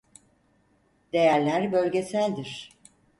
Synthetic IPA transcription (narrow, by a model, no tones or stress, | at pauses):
d̪e̞jæɾlʲæɾbø̞lʲɟe̞sælʲd̪iɾ̥